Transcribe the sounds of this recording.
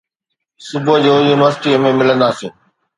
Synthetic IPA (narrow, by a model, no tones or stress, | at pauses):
sʊbʱod͡ʑoːjuːnɪʋəɾsɪʈimẽmɪlə̃nd̪asĩː